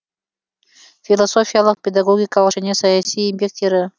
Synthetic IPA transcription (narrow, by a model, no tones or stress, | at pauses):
fʲilˠasofʲijalˠəq̚pʲed̪aɡoɡʲikalˠəqʃɪnʲesɐjasʲiːmʲpʲek̚t̪ʲeɾə